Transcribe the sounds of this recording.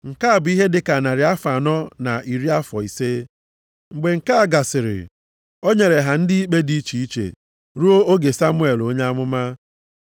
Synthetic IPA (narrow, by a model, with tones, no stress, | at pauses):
ŋ̩˨ka˦a˨bʊ˨˦i˦ɦe˦dɪ˦ka˨na˨ɾɪ˨˦a˦fa˨nɔ˦na˨ʔi˨ɾi˦a˦fɔ˨i˨se˦ | ŋ͡m̩˨ɡ͡be˨ŋ̩˨ka˦a˨ɡa˨sɪ˨ɾɪ̰˨ | o˦ɲe˨ɾe˨ɦa˨n̩˦dɪ˦i˦k͡pe˦di˦t͡ʃi˨i˦t͡ʃḛ˨ | ɾu˦o˦o˦ɡe˨sa˦mʊ˦e˨lo˦ɲe˦a˦mʊ˦ma˦